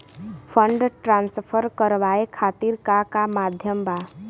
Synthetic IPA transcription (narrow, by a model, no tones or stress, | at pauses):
pʰə̃ɳɖʈɾãːnspʰəɾkəɾʋaːekʰaːt̪iɾkakamaːd̪ʱjəmbaː